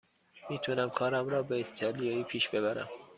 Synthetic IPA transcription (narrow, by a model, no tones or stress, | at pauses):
miːt̪ʰunæmkʰɒːɾæmɾɒːbeit̪ʰɑlijɑːiːpʰiːʃb̥e̞βæɾæ̰m